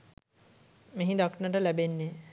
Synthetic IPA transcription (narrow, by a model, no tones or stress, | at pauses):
meɦĩd̪aknəʈəlæbenːe